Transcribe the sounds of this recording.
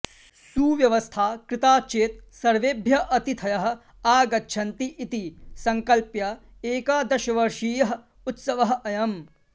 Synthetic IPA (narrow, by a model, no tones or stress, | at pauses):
suʋjɐʋɐst̪ʰaːkɾɪt̪aːt͡ʃeːt̪̚sɐɾʋeːbʱjɐʔɐt̪it̪ʰɐjɐɦɐ̆ | aːɡɐtːʃʰɐnt̪iʔːt̪isɐŋkɐlpjɐeːkaːd̪ɐʃɐʋɐɾʃiːjɐɦɐ̆ | ut̪sɐʋɐɦɐɐjɐm